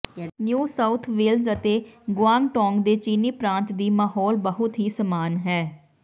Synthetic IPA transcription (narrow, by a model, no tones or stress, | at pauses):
njuːsaːʊt̪ʰʋeːlzət̪eːɡʊaːŋʈɔ̃ːŋɡd̪eːt͡ʃiːniːpɾãːnt̪d̪iːmaːɦɔːlbəɦʊt̪ɦiːsəmaːnɦɛː